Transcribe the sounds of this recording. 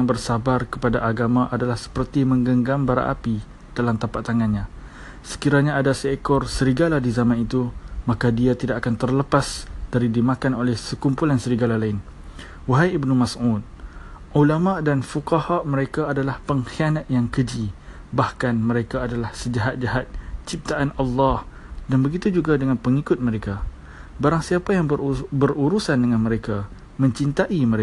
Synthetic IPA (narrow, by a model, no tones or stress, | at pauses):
aŋbərsabarkə̥padaʔaɡamãʔadalahsə̥pərt̪imə̃ŋɡəŋɡambaɾa̰ʔa̰pi | d̥alamt̪ampatt̪ːaŋanɲã | sə̥kiɾaɲaːdasəɛkɔrsəɾiɡaladizamãnit̪umãkadiat̪idaʔakant̪ərləpasd̥aɾidimãkanolɛhsəkumpulansəɾiɡalalaɪn | waɦajibnumasut̪̚ʔulamaʔdanfukahaʔmə̃ɾekaːdalahpəŋxianãt̪̚jaŋkəd͡ʒi | bahkanmə̃ɾekaːdalahsəd͡ʒaɦat̪̚d͡ʒaɦat̪̚t͡ʃip̚t̪aʔanɑlːɑh | danbəɡit̪ud͡ʒuɡadəŋanpəŋikʊt̪̚məɾeka | baɾaŋsiapajaŋəbəruɾusandəŋãnmə̃ɾeka | mə̃ɲt͡ʃint̪aʔimə̃ɾe